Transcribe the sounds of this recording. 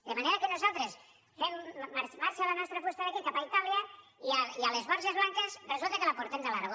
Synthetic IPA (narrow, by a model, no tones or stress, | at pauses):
d̪emaneɾakenuzalˠt̪ɾes | femːaɾmːaɾt͡ʃalanɔst̪ɾafest̪aðakikapait̪aljaiaialezβɔɾzezβlaŋkezrezulˠt̪əkelapuɾt̪emd̪elaɾɣo